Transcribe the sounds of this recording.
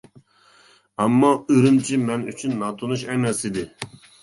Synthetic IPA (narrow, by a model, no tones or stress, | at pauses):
ɑmːɑøɾymt͡ʃʰimɛny̰t͡ʃʰynːɑt̪ʰonuʃɛmɛsid̪ɪ